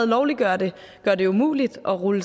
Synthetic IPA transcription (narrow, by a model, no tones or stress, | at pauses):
ð̩ˠlɒʊliɡ̥ɶɐd̥e̝ | ɡ̥ɶɐd̥e̝umṵːlid̥ʔɒ̽ʁuləs